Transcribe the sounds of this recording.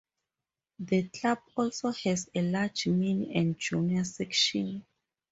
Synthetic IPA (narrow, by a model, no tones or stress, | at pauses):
ðəkʰlabɔlsohɛzelad͡ʒmĩniɛ̃nd͡ʒunasɛkʃɔ̃n